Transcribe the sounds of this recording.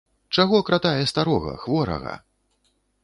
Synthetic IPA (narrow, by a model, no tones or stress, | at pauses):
t͡ʂaɣɔkɾat̪ajɛst̪aɾɔɣɐ̰xvɔɾɐ̰ɣɐ̰